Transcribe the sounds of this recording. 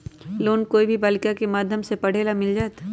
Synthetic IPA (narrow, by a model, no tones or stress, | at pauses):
loːnkoːibʱibaːlɪkakemaːd̪ʱjəmsepɐɽ̤eːlamɪld͡ʒaːet̪